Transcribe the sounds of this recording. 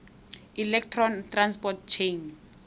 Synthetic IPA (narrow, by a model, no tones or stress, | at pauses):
ilɛktʰrɔntranspɔtt͡ʃʰen